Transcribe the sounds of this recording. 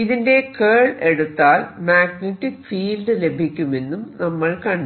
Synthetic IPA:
iðinde̞keːɭe̞ɽut̪ːaːlmaːɡneʈːikfiːlɖɨle̞bʱikʲːume̞nːumnɐmːɐɭkɐɳɖ

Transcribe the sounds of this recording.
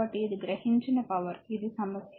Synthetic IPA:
ɐʈːijɐd̪ɨɡɾɐhiɲt͡ʃɐnɐpɐʋɐɾiðɨsɐmɐsj

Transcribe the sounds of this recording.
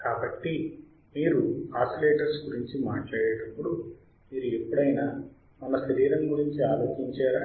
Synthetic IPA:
kaːbɐʈːi | miːɾuaːsɐleːʈɐɾsɡuɾiɲt͡ʃimaːʈlaːjɛːʈɐpːuɽu | miːɾuepːuɽɐjnaː | mɐnːɐʃɐɾiːɾɐŋɡuɾiɲt͡ʃiaːloːt͡ʃiɲt͡ʃaːɾa

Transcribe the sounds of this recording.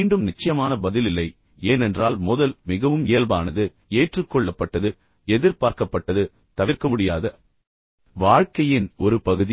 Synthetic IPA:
iːɳɖɯmnɪt͡ʃːɐjɐmaːnɐbɐðɪlɪlːɐɪ | eːnɛndraːlmʊðɐlmɪɣɐʋɯmeːlbaːnɐðɯ | eːʈrɯkːɔɭːɐpːɐʈːɐðɯ | ɛðɪɾpaːɾkɐpːɐʈːɐðɯ | t̪ɐʋɪɾkɐmʊɽɪjaːðɐ | ʋaːɻkɐjɪnɔɾɯpɐɣɯði

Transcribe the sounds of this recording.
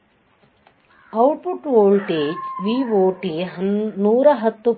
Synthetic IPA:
ɐwʈpuʈʋoːlʈeːd͡ʒʋiːʋoːʈinuːɾɐɦɐt̪ːu

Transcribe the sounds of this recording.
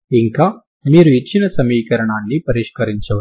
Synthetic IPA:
iŋkaː | miːɾuit͡ʃːinɐsɐmiːkɐɾɐɳaːnːipɐɾiʂkɐɾiɲt͡ʃɐʋɐ

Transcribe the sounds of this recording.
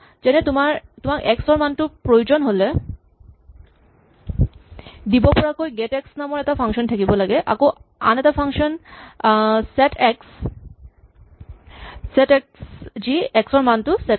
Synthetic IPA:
d͡ʒɛnet̪umaɾt̪omaɾʔɛksɔɾmantupɾojud͡ʑonɦole | d̪ibopɔɾakojɡeʈɛksnamoɾɛt̪afʰaŋʃɔntʰakibolaɡeʔa̰koa̰nɛt̪afʰaŋʃɔn | seʈʰeks | sɛʈeksd͡ʑiɛksɔɹmantusɛ

